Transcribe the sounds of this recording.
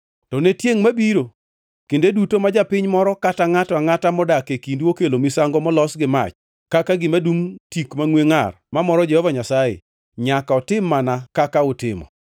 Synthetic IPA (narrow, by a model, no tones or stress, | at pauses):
tɔnetjeŋmabiɾo | kendedutomad͡ʒapɪɲmɔɾɔkataŋataŋatamɔdakekindokelomisaŋɡɔmɔlɔsɡɪma̰t͡ʃ | kakaɡɪmadumtikmaŋweŋar | mamɔɾɔd͡ʒɛhɔvaɲasajḛ | ɲakaɔtɪmːanakakaʊtɪ̰mɔ̰